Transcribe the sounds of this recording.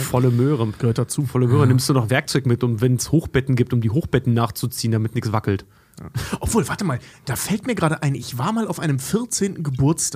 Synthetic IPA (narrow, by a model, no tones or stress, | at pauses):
fɔləmøːʁəɡ̥əhøːɐtdat͡suːfɔləmøːʁənɪmstd̥uːnɔχv̥ɛɐk̚t͡sɔʏɡəmɪtʊmvɛnshoːxb̥ɛtn̩ɡiːp̚tʊmdiːɦoːxb̥ɛtn̩naːχt͡sut͡siːəndamɪtnɪkt͡sv̥akl̩t | ʔɔpv̥oːlvaɐtəmaːld̥aːfɛltmiːɐɡʁaːdəʔaɪnʔɪçv̥aːɐmaːlaʊfʔa̰ɪnəmfɪɐt͡seːntn̩ɡəbʊɐt͡stʰaːk